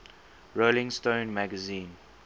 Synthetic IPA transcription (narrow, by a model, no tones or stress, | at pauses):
ɹolɪ̃ŋstõːnmæɡəzĩːn